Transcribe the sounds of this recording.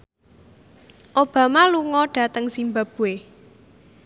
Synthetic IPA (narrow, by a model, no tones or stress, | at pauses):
ʔob̥ä̤maluŋɔɖ̥a̤t̪əŋsimbab̥ue